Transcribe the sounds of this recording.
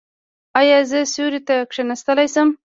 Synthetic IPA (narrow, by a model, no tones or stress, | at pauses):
ɑjɑzəsuɾit̪akʂenast̪əlajsəm